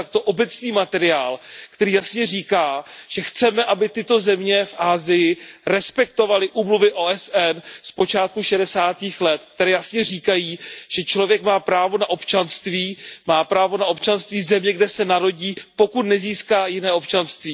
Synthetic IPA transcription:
ak̚t̪o̞ʔobɛt͡sniːmat̪ɛɾɪaːlkt̪ɛɾiːjasɲɛriːkaːʒ̥ɛxt͡sɛmɛʔabɪt̪ɪt̪o̞zɛmɲɛfʔaːzɪjɪɾɛspɛkt̪o̞valɪʔuːmluvɪʔoːʔɛsʔɛnspo̞t͡ʃaːt̪̚kuʃɛdɛsaːt̪iːxlɛt̪k̚t̪ɛɾɛːjasɲɛr̝iːkajiːʒ̥ɛt͡ʃlo̞vjɛkmaːpɾaːvo̞naʔo̞pt͡ʃanst̪viːmaːpɾaːvo̞naʔo̞pt͡ʃanst̪viːzɛmɲɛɡdɛsɛnaɾo̞ɟiːpo̞kut̪̚nɛziːskaːjɪnɛːo̞pt͡ʃanst̪viː

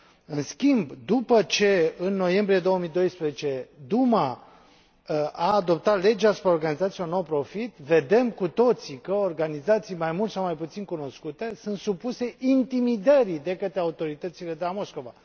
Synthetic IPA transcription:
ɨnskʲimbd̪upət͡ʃe̞ɨnːo̞je̞mbɾije̞d̪o̞woəmid̪o̞jspɾezet͡ʃe̞d̪uma | aːd̪o̞pt̪at̪le̞d͡ʒasu̥pɾeo̞rɡanizat̪sijeonowpɾo̞fit̪ve̞d̪e̞mkut̪o̞t̪sikəorɡanizat̪sijmajmult̪sawmajput̪sinkuno̞skut̪e̞sunt̪supuse̞ʔint̪imid̪əɾid̪e̞kət̪ɾeaut̪o̞ɾit̪ət̪sile̞d̪e̞lamo̞sko̞va

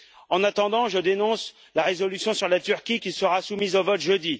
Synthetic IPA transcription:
ɑ̃nat̪ɑ̃d̪ɑ̃ʒəd̪enɔ̃s | laʁezɔlysjɔ̃syʁlat̪yʁkʲikʲilsəʁasumizovɔt̪ʒød̪i

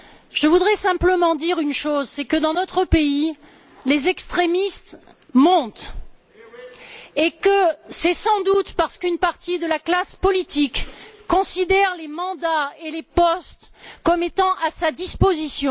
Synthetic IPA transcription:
ʒ̥əvud̪ʁɛsɛ̃pləmɑ̃d̪iʁynʃozsɛkəd̪ɑ̃nɔt̪χəpei | lezɛkst̪χemist̪ | mɔ̃t̪ | ekəsɛsɑ̃d̪ut̪paʁsə̥kynpaʁt̪id̪əlaklaspɔlit̪ikːɔ̃sid̪ɛʁlemɑ̃d̪aelepɔst̪kɔmet̪ɑ̃ʔasad̪ispozisjɔ̃

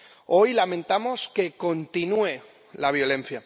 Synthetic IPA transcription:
o̞jlamẽ̞nt̪amo̞ske̞ko̞nt̪inue̞ | laβ̞jo̞lẽ̞n̟θja

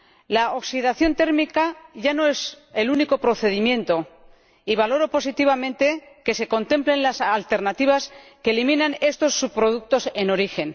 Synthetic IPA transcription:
laoksiðaθjo̞nt̪e̞ɾmikaʝano̞e̞s | e̞luniko̞pɾo̞θe̞ð̞imjẽ̞nt̪o̞ | iβ̞alo̞ɾopo̞sit̪iβ̞amẽ̞nt̪e̞ | ke̞se̞ko̞nt̪e̞mple̞nlasalt̪e̞ɾnat̪iβ̞aske̞ːlimĩnane̞st̪o̞sːuβpɾo̞ð̞uk̚t̪o̞se̞no̞ɾixe̞n

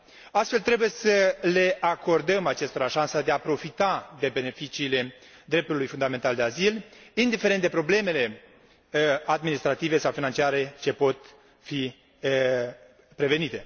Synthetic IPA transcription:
ast̪fe̞lt̪ɾe̞buje̞səle̞ʔako̞rd̪əmat͡ʃe̞st̪o̞ɾaʃansəd̪e̞apɾo̞fit̪ad̪e̞be̞ne̞fit͡ʃiːle̞d̪ɾe̞p̚t̪ulujfund̪ame̞nt̪ald̪eazilind̪ifeɾent̪d̪e̞pɾo̞ble̞me̞le̞ | ad̪minist̪ɾat̪ive̞sawfinant͡ʃiaɾe̞t͡ʃe̞po̞t̪ | fi | pɾe̞ve̞nit̪e̞

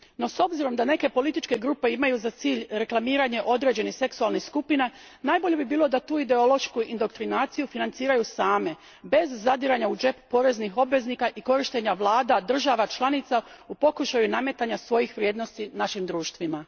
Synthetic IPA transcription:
no̞so̞bziɾo̞md̪ane̞ke̞po̞lit̪it͡ʃke̞ɡɾuːpe̞imajuzat̪siːʎɾe̞klˠamiːɾaɲe̞ʔo̞d̪ɾe̞d͡ʑe̞nixse̞ksualˠnixskupina | najbo̞ʎe̞bibiːlˠo̞d̪at̪uːid̪e̞olo̞ʃkuind̪o̞kt̪ɾinaːt̪sijufinant̪siːɾajusaːme̞ | be̞zːad̪iɾaɲaud͡ʒe̞ppo̞ɾe̞znixo̞bʋe̞znikaʔiko̞ɾiʃt̪e̞ɲaʋlˠaːd̪ad̪r̩ʒaʋat͡ʃlˠanit̪saupo̞kuʃajuname̞t̪aɲasʋo̞jixʋɾʲjeːd̪no̞st̪inaʃimd̪ɾuːʃt̪ʋima

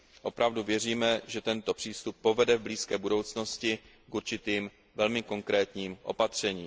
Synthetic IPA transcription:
ʔo̞pɾavduvjɛr̝iːmɛʒɛt̪ɛnt̪o̞pr̥iːst̪upːo̞vɛdɛvbliːskɛːbudo̞wt͡sno̞scɪ | kʔuɾt͡ʃɪt̪iːm | vɛlmɪko̞ŋkɾɛːt̪ɲiːmʔo̞̰pat̪r̝̥ɛɲiːm

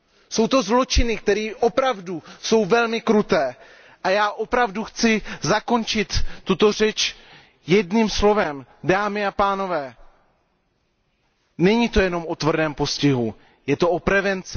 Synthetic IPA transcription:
so̞wt̪o̞zlo̞t͡ʃɪnɪk̚t̪ɛɾiːʔo̞pɾavduso̞wvɛlmɪkɾut̪ɛː | ʔajaːʔo̞pɾavduxt͡sɪzako̞nt͡ʃɪt̪ːut̪o̞rɛt͡ʃ | jɛdnimslo̞vɛmdaːmɪapaːno̞vɛː | nɛɲiːt̪o̞jɛno̞mo̞t̪vr̩dɛːmpo̞scɪɦu | jɛt̪o̞ʔopɾɛvɛnt͡sɪ

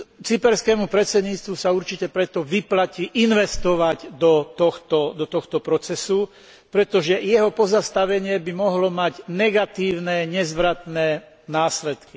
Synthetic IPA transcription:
t͡sipɛɾskɛːmupɾɛt͡sɛd̪ɲiːt͡st̪ʋusauɾt͡ʃicɛpɾɛt̪ɔʋiplaciʔinʋɛst̪ɔʋaɟd̪ɔt̪ɔxt̪ɔd̪ɔt̪ɔxt̪ɔpɾɔt͡sɛsu | pɾɛt̪ɔʒɛjɛɦɔpɔzast̪aʋɛɲɪɛbimɔɦlɔmaɟnɛɡat̪iːʊnɛɲɛzʋɾat̪nɛː | naːslɛt̪ki

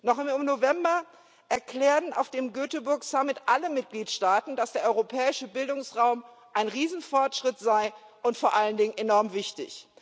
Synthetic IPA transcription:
nɔχɪɪmnovɛmbɐ | ʔɛɐkl̥ɛːɐtn̩a̰ʊfd̥eːmɡøːtəbʊɐksamɪtʔaləmɪt̚ɡ̥liːtʃtaːtn̩d̥asd̥eːɐʔɔʏʁopʰɛːɪʃəbɪldʊŋsʁaʊm | ʔaɪnʁiːzn̩fɔɐtʃʁ̥ɪtz̥aɪ | ʔʊntfoːɐʔaləndɪŋənʔenɔɐmvɪçtɪ̰ç

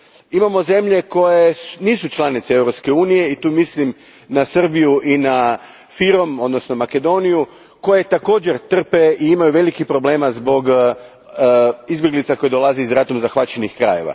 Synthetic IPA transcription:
imamo̞ze̞mʎe̞ko̞jesniːsut͡ʃlˠanit̪see̞wɾopske̞uːnije̞it̪uːmislim | nasr̩bijuʔina | fiɾo̞mo̞d̪no̞sno̞make̞d̪o̞niju | ko̞je̞t̪ako̞ːd͡ʑe̞ɾt̪r̩pe̞ʔiimajuʋe̞likipɾo̞ble̞ːmazbo̞ɡ | izbjeɡlit̪sako̞jed̪o̞lˠaziizɾat̪umzaxʋat͡ɕenixkɾa̰je̞̰ʋa̰

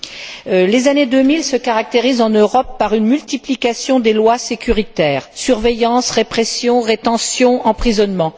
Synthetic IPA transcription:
lezaned̪ømilsəkaʁak̚t̪eʁizɑ̃nøʁɔpːaʁynmylt̪iplikasjɔ̃d̪elwasekʲyʁit̪ɛːʁsyʁvɛjɑ̃sʁepχɛsjɔ̃ʁet̪ɑ̃sjɔ̃ɑ̃pχizɔnmɑ̃

